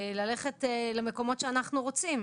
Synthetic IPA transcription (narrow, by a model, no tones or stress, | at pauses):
lale̞χetleme̞ko̞mo̞tʃeanaχnuʁot͡sim